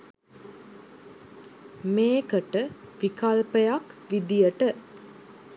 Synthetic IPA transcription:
meːkəʈəʋikalpəjakʋid̪ijəʈə

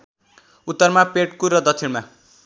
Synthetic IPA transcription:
ut̪ːʌrmapeʈkurʌd̪ʌsʰinma

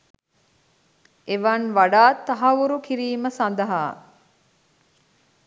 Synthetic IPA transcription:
eʋɐnʋaɖaːt̪ːɐɦɐʋuɾukiɾiːməsand̪ɐɦaː

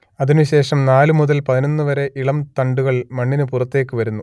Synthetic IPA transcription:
ɐðinuɕe̞ːʂɐmnaːlumuðɐlpɐðino̞nːɨʋɐɾe̞ʔiɭɐmt̪ɐɳɖuɣɐɭmɐɳːinɨpurɐt̪ːe̞ːkːɨʋɐɾunːu

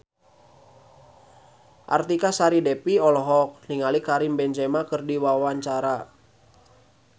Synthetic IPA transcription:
ʔa̰rt̪ikasaɾidɛpiɔlɔɦɔk̚niŋalikaɾimbɛɲd͡ʒɛmakərdiwawaɲt͡ʃaɾa

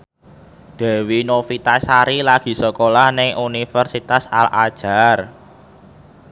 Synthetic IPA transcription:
d̪̥ɛ̤winofit̪asaɾilaɡ̥i̤səkolahnɪŋʔunifərsit̪asalʔa̰d̥ʒ̥a̤r

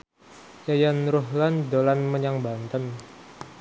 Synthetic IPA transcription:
jajanɾʊɦlandolanməɲaŋbant̪ən

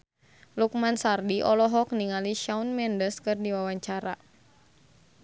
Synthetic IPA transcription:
luk̚mansardiʔɔlɔɦɔk̚niŋaliʃaunmɛndəskɨrdiwawaɲt͡ʃaɾa̰

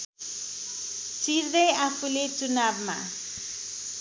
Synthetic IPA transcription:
t͡siɾd̪ʌjapʰulet͡sunabma̰

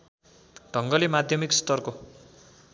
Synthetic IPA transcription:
ɖʱʌŋɡʌlimad̪ʱjʌmikst̪ʌrko

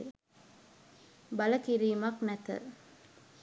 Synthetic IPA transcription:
bɐlɐkiɾiːmɐknɛt̪ə̰

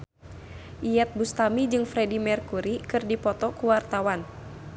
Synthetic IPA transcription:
ʔijɛt̪̚bust̪amid͡ʒɨŋfɾɛdimɛrkuɾikɨrdipɔt̪ɔkuwart̪awan

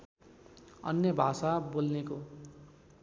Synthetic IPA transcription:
ʌ̰njʌbʱasabolneko

